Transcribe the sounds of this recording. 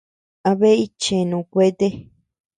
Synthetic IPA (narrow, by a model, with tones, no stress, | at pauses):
a˧βe˦i˦t͡ʃe˨nũ˨˧˨kʷe˦t̪e˦